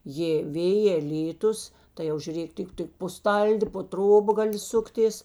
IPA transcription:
jeː ˈʋʲeːjeː ˈlʲiːˌtʊs tɐɪ ˈjɛʊ ʒʲʊˈrʲeːk ˈtʲɪk ˈtʲɪk poː ˈstɐlʲdʲɪ poː ˈtroːbɐ ˈɡɑːˌlʲɪ ˈsʊktʲeːs

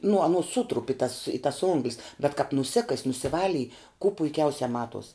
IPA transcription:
nʊ ɐˈnoːs ˈsʊtrʊp ɪ tɐs ɪ tɐs ˈoːŋɡlʲɪs bʲɛt kɐp nʊˈsʲɪkɐsʲ nʊsʲɪˈʋɑːlʲɪj kuː pʊɪˈkʲɛʊsʲɛ ˈmɑːtuɔs

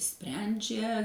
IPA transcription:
ˈsʲpʲrʲɛnʲd͡ʒʲɛ

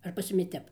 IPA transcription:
ɐr pɐs ˈjʊmʲɪ ˈtʲɛp

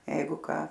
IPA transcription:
ˈjɛɪɡʊ ˈkɑː

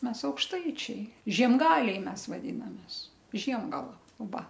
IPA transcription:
ˈmʲɛs ɐʊkʃˈtɐɪt͡ʃʲɛɪ ʒʲiɛmˈɡɑːlʲɛɪ ˈmʲɛs ʋɐˈdʲiːnɐmʲeːs ˈʒʲiɛmɡɐlˠɐ ˈʋɐ

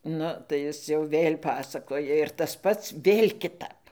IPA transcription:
ˈnʊ tɐɪ ˈjɪs jɛʊ ˈʋʲeːlʲ ˈpɑːsɐkoːjɛ ɪr tɐs ˈpɐts ˈʋʲeːlʲ kʲɪˈtɐp

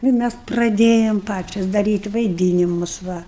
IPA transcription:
ˈnʊ ɪ ˈmʲæs prɐˈdʲeːjɛm ˈpɑːt͡ʃʲɛs dɐˈrʲiːtʲ ʋɐɪˈdʲiːnʲɪmʊs ˈʋɐ

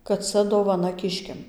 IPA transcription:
kɐt ˈt͡sɐ doːʋɐˈnɐ ˈkʲɪʃʲkʲɛm

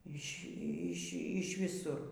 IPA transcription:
ˈiːʃʲ ˈiːʃʲ ˈiːʃʲ ʋʲɪˈsʊr

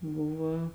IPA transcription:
ˈbʊʋɐ

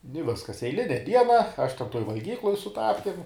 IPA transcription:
ɪ ˈʋʲɪskɐs ɛɪˈlʲɪnʲɛ ˈdʲiɛnɐ ˈɐʃ ˈtʲɛn ˈtoːj ʋɐlʲˈɡʲiːklˠʊj sʊ ˈtɑːpʲkʲɪm

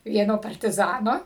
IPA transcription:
ˈʋʲiɛnoː pɐrʲtʲɪˈzɑːnoː

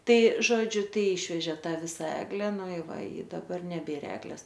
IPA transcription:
ˈtɐɪ ˈʒoːd͡ʒʲʊ ˈtɐɪ ˈɪʃʲʋʲɛʒʲeː ˈtɑː ˈʋʲɪsɐ ˈæːɡlʲɛ ˈnʊ ɪ ˈʋɐ ɪ dɐˈbɐr nʲɛˈbʲeːr ˈæːɡlʲɛs

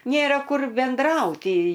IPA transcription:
ˈnʲeːrɐ ˈkʊr bʲɛnˈdrɐʊtʲɪ

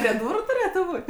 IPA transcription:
pʲrʲiɛ ˈduːrʊ tʊˈrʲeːtʊ ˈbuːtʲ

